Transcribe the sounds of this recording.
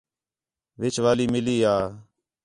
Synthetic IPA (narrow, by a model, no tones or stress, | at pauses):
ʋɪt͡ʃʰʋaːliːmɪliːɦaː